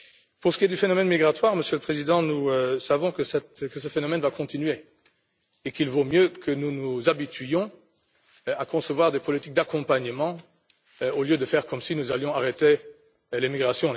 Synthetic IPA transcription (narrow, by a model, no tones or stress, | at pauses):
puʁsə̥kʲied̪yfenɔmɛnmiɡʁat̪waʁməsjøləpχezid̪ɑ̃nusavɔ̃kəsɛt̪kəsəfenɔmɛnvakɔ̃t̪inɥe | ekilvomjøkʰənunuzabit̪ɥjɔ̃ | akɔ̃səvwaʁd̪epɔlit̪ik̚d̪akɔ̃paɲəmɑ̃ | oljød̪əfɛʁkɔmsinuzaljɔ̃aʁet̪e | lemiɡʁasjɔ̃